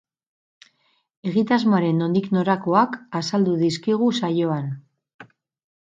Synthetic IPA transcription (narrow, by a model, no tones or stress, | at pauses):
e̞ɣit̪azmoaɾe̞nːo̞nd̪ikno̞ɾako̞akasald̪uðiskiɣ̞usajo̞an